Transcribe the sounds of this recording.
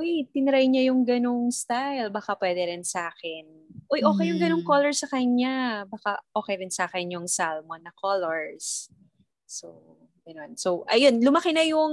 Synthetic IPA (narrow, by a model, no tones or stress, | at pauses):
ʔojt̪ɪnɐɾajɲajʊŋɡɐnoŋst̪ajlbɐkapwɛːd̪ɛɾɪnsɐʔaːkɛn | ʔojʔo̞ːkɛjːʊŋɡɐnoŋkolɔɹsɐkɐɲabɐkaʔo̞ːkɛjɾɪnsɐaːkɛnjʊŋsalmonːɐkoloɹsː | o | ɡ̥ɐno̞nsowʔɐjonlʊmɐkɪnɐjʊŋ